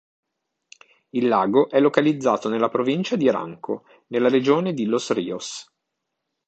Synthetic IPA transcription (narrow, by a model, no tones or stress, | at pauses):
ilːaːɡoʔɛlːokalid̪zːaːt̪onelːapɾovint͡ʃad̪iɾa̰ŋkʰo | nelːaɾed͡ʒoːned̪ilosriːos